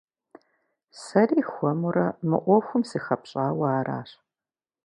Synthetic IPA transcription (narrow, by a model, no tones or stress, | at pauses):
sɐriːxʷɔmuɾɐmɨ̰ʔʷɔxʷʊmsiːxɐpɕʼaːwaːra̰ːɕ